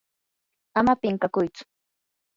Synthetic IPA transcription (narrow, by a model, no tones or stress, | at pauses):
amapɪŋkakʊjt͡sʊ̥